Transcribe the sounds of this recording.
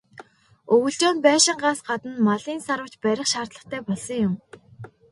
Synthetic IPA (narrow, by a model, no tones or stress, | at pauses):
ɵɣɵ̆ɮt͡ɕoːnpæːʃɪ̆ɴɢaːsɢat̪ə̆nmaɮiːnsaɾwə̆kt͡ɕpæɾʲɪ̆χʃaːrt̪ɮə̆χt̪ʰæːpɔɮsɞ̆ŋjʊm